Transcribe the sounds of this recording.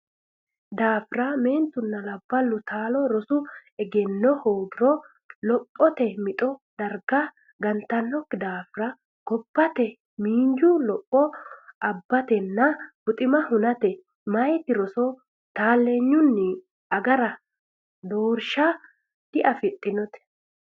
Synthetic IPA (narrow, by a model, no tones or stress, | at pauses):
d̪aːfɪɾɐme̞ːnt̪ʊnːɐlɐbːɐlːʊt̪ʰaːlɔɾɔsʊɛɡɛnːɔhoːɡɪɾɔ | lɔpʼːɔt̪ɛmɪt̪ʼɔd̪̥ɐɾɡɐ | ɡɐnt̪ɐnːɔkːɪd̪aːfɪɾɐ | ɡ̥ɔb̥ːɐt̪ɛ | miːɲd͡ʒʊlɔpʼːɔʔɐbːɐt̪ɛnːɐbʊt̪ʼɪmɐhʊnɐt̪ɛ | mɐjt̪ɪɾɔsɔ | t̪aːlːeɲːʊnːɪ | ɐɡɐɾɐ | d̪oːɾʃa | d̪̥ɪʔɐfɪt̪ʼːɪnɔt̪ɛ̥